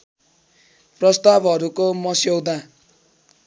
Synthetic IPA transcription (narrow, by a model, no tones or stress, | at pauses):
prʌst̪abʱʌɾukomʌsjowd̪a